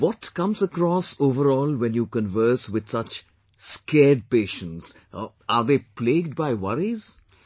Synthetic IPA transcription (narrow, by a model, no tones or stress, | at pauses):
ʋɔʈkʌ̃mzəkɾɔːsoːvəɾɔːlwɛ̃njuːkə̃nʋəɾswɪd̪sʌt͡ʃ | skɛːɖ̚peːʃə̃ns | aɾd̪eːpleːɡ̚ɖbaɪwʌɾiz